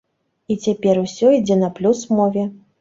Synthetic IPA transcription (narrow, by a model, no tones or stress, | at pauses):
it͡sʲapʲɛrusʲɔid͡zʲɛnɐplʲusmɔvʲɛ